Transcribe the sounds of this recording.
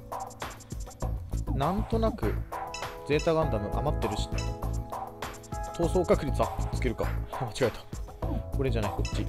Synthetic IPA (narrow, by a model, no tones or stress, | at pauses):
nãnt̪o̞nakɯ̟d͡ze̞ːt̪aɡãnd̪anoʔa̰mat̪ːe̞ɾɯ̟ɕi̥ | t̪ʰo̞ːso̞ːkakɯ̟ɾʲit͡sɨat͡sɨ̥ke̞ɾɯ̟ka̰mat͡ɕiɡaet̪ḁko̞ɾe̞ʑanaihot͡ɕːi